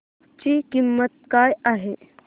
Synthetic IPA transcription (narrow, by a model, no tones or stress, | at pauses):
t͡ɕikimːət̪̚kaːjaɦe